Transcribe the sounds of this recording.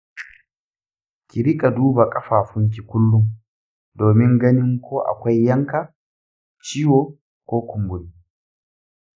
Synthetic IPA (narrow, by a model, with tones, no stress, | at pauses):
kʲi˨ɾɪ˦kʼa˨duː˦ba˨kʼɐ˦ɸaː˨ɸʊ˦ŋk̬ʲi˨kʷʊ˦lːʊ˦ŋ | doː˨mɪ˦ŋɡɐ˦nɪ˦ŋkʷoː˦ʔa̰˨kʷa˦jːɐ˦ŋka˨ | t͡ʃiː˦woː˨ | kʷoː˦kʷʊ˨mbʊ˨ni˦